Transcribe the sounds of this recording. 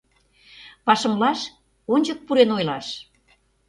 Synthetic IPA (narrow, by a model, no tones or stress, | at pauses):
pɑʃə̆mlɑʃ | onʲd͡ʑə̆k̚puɾenojlɑʃ